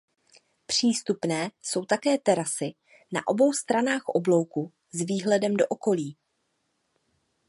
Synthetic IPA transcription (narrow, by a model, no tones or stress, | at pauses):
pr̝̥iːst̪upnɛːso̞wt̪akɛːt̪ɛɾasɪ | na̰ʔo̞bo̞wst̪ɾanaːxʔoblo̞wku | zviːɦlɛdɛmdo̞ʔoko̞liː